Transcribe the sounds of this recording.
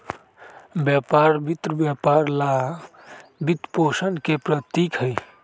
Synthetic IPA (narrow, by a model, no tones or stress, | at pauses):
bjapaɾbit̪ɾəbjapaɾla | bit̪posənkepɾət̪ikɦəj